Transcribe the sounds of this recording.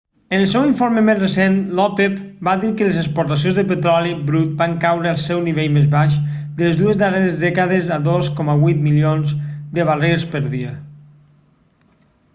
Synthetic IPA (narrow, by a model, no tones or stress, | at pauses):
ənəlˠsɛwiɱfoɾməmezrəsenlɔpepbaðiɾkələzəkspuɾt̪as̬jõnzðəpət̪ɾɔlibɾut̪̚baŋkawɾəːlˠsɛwniβeʎmezβaʃd̪əlezðuəzðəreɾəzðɛkəðəzaðoskɔməβujt̪milionzd̪əβareɾspəɾðiə